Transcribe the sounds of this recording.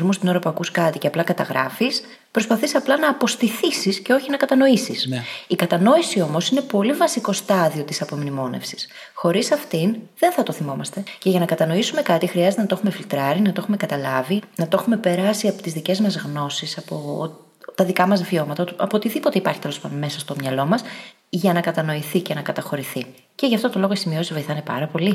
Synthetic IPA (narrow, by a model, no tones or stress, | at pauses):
ɾmust̪inoɾopɐkuskɐt̪iceɐplɐkɐt̪ɐɣɾɐ̰fis | pɾo̞spɐθisɐplɐnɐːpo̞st̪iθisisce̞o̞çinɐkɐt̪ɐno̞isisikɐt̪ɐno̞isio̞mo̞sine̞po̞livɐsiko̞st̪ɐðio̞t̪i̥sɐpo̞mnimo̞ne̞̰fsi̥s | xo̞ɾisɐft̪inðe̞nθɐt̪o̞θimo̞mɐst̪e̞ce̞ʝɐnɐkɐt̪ɐno̞isume̞kɐt̪ixɾiɐzet̪enɐt̪oe̞xume̞filt̪ɾɐɾinɐt̪oexume̞kɐt̪ɐlɐvinɐt̪oxume̞pe̞ɾɐsiɐpot̪izðice̞zmɐzɣno̞sisɐpo | t̪ɐðikɐmɐzvio̞mɐt̪ɐɐpot̪iðipo̞t̪eipɐɾçi̥t̪elo̞spɐnome̞sɐst̪o̞mɲɐlo̞mɐs | ʝɐnɐkɐt̪ɐno̞iθicenɐkɐt̪ɐxo̞ɾiθi | ceʝɐft̪o̞t̪o̞lo̞ɣoisimio̞siszvo̞jiθɐnepɐ̰ɾɐpo̞li